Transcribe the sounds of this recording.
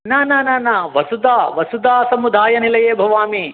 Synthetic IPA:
naːnaːnaːnaːʋɐsud̪aːʋɐsud̪aːsɐmud̪ʱaːjɐnilɐjeːbʱɐʋaːmi

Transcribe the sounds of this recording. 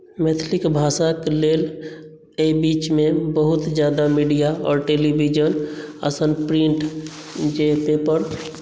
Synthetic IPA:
mɛt̪ʰlɪkbʱaːsakleːl | ebiːt͡ʃmẽbəɦʊt̪d͡ʒjaːd̪amiɖijaɔ̰ːɾʈeːlibid͡ʒənə̰sənpɾĩɳʈ | d͡ʒepepəɾ

